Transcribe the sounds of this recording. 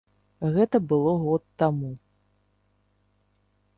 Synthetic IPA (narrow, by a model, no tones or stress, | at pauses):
ɣɛt̪ɐbɨlˠɔɣɔt̪ːamu